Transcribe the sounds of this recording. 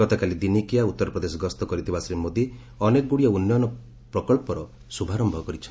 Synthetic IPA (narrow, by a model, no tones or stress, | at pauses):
ɔt̪ɔkalid̪inikijaut̪ːɔɾɔpɾɔd̪esɔɡɔst̪ɔkɔɾit̪ʰibasɾimod̪i | ɔnekɡuɽijɔunjɔnɔ | pɾɔkɔɭpɔɾɔ | subʱaɾɔmbʱɔkɔɾit͡ʃʰɔ